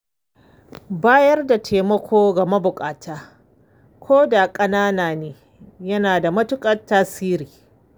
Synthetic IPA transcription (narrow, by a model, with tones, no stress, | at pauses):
baː˦jɐ˦rda˨tʰeː˨mɐ˦kʷʰoː˦ɡɐ˨mɐ˦bʊ˨kʼaː˨tʰaː˦ | kʷʰoː˦da˨kʼɐ˦naː˦naː˨neː˨ | jɐ˦naː˨da˨mɐ˦tʊ˦kʼɐ˨tːaː˦siː˦ɾiː˨